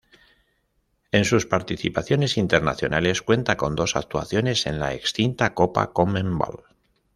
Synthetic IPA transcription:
e̞nsuspaɾt̪iθipaθjo̞ne̞sint̪e̞ɾnaθjo̞nale̞skwe̞nt̪ako̞nd̪o̞sa̰k̚t̪ua̰θjo̞ne̞se̞̰nla̰e̞kst̪int̪ako̞pa̰komẽmba̰l

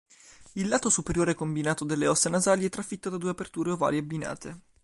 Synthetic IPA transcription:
ilːaːt̪osupeɾjoːɾekombinaːt̪od̪elːeɔsenazaːliɛt̪ːɾafit̪ːod̪ad̪uːeapert̪uːɾeova̰ːlieabːina̰ːt̪e

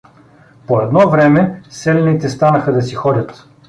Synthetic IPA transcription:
poɛd̪nɔvɾɛmɛsɛlɛnit̪ɛst̪anəxəd̪ɐsixɔdʲɐt̪

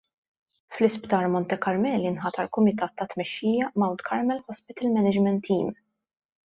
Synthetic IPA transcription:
flɪspt̪ɐːɾmɔnt̪ɛkɐɾmɛːlinħɐt̪ɐlkʊmɪt̪ɐːt̪ːɐt̪mɛʃːiːjɐmɐwnt̪kʰɐɾmɛlħɔspɪt̪ɪlmɛnɪd͡ʒmɛnt̪ːiːm

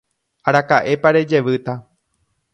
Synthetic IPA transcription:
aɾakaʔe̞paɾe̞d͡ʒe̞ʋɨt̪a

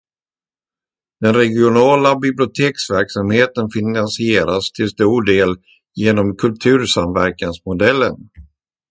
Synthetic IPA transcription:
d̪̥ɛnɾɛɡɪʊnɑːlabɪblɪʊt̪ʰeːksvæɾksamheːt̪ənfɪnansɪeːɾast̪ʰɪlst̪uːɖeːl | jeːnɔmkʰɵlt̪ʰʉ̟ːɾsamvæɾkansmʊd̪ɛlːə̰n

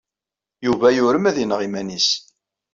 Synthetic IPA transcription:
juvæjʊɾəmæðinəʁimænis

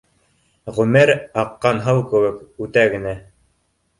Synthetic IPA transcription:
ʁʉmɘɾɑqːɑnɦɤlˠkɘ̆wɘkʉt̪æɡɘ̆næ

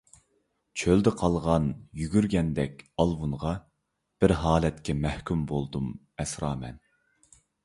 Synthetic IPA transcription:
t͡ʃʰøld̪ɪqʰɑlˠʁɑnjyɡʲyɾɡʲɛnd̪ɛkʲɑlˠwunʁɑ | b̥ɪɾɦɑːlɛt̪kʲʰɛmæhkʲymbolˠd̪um | ɛsɾɑːmɛ̰n

